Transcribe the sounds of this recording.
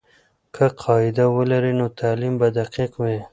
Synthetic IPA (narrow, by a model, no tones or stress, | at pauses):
kʰəqʰɑɪd̪awəlaɾinot̪ʰɑːlimbad̪aqiqwe